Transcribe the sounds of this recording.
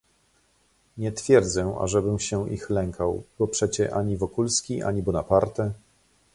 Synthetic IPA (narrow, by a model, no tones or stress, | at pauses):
ɲɛt̪fʲjɛɾd̪zɛa̰ʐɛbɘmɕɛʔḭxlɛŋkʰawb̥ɔpʂɛt͡ɕɛʔaɲivɔkulskʲiʔa̰ɲibɔnapaɾt̪ɛ